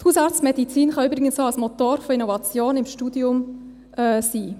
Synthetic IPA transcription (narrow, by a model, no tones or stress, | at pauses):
shuːsɑɾt͡stmɛdit͡siːnχɑøbɾɪɡənsoɑsmɔt̪oːɾfɔinɔvɑt͡sjoːnɪmʃtuːdiʊm | ʔɛsiː